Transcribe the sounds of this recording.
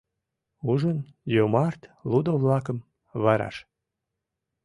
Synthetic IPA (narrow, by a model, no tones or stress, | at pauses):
uʒənjomɑrt̪lud̪ovlɑkəm | βɑɾɑ̰ʃ